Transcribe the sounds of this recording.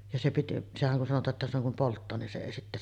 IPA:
jɑ se piti sehæŋ kun sɑnotˑɑːʔ ʔetːæ silːoŋ kum poltːɑː nin se eˑi sitːæ

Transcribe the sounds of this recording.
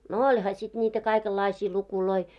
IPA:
no olʲhɑ sit niːtæ kɑikelːɑisiː lukuloi

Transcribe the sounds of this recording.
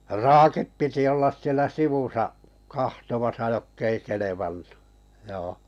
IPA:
rɑːkip piti olːɑs sielæ siʋusɑʔ kɑhtomɑsɑ jokː ei keleʋɑnːu̥ joː

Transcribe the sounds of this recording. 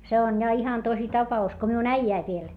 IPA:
se on jɑ ihɑn tosi tɑpɑus ko miun æijæiʋ ʋiel

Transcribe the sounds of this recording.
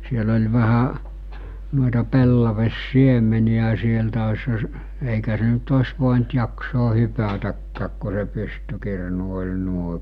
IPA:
siel olʲ ʋæhæ nuoĕtɑ pelːɑʋesːiemeniæ sieltæ oshɑ s eˑikæ se nyt osʲ ʋoˑint jɑksoː hypætækːæːk ko se pystykirnu olʲ nuoĕ

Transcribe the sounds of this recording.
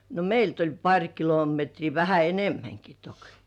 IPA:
no meilt olʲ pɑrʲ kilometriː ʋæhæ enemːæŋki tok

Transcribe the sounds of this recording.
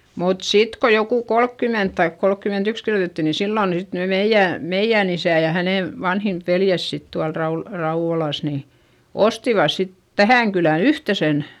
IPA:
mut sit ko jokuˑ kolkːyment tɑik kolkːymentyks kirjotetːi ni silːoˑn sit ne meijːæˑ meijːæˑn isæˑ jɑ hæneˑ ʋɑnhin ʋeljæs sit tuɑl rɑul rɑuʋ̆olɑˑs ni ostiʋɑs sit tæhæˑŋ kylæ yhtesen

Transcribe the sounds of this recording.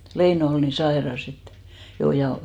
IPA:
leino ol ni sɑerɑs et jo jɑ

